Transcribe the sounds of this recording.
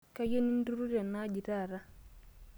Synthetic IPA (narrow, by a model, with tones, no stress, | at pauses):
ka˦je˦ni˦n˦du˦ɾu˦ɾja˨na˦d͡ʒi˨ta˦˨ɾa˦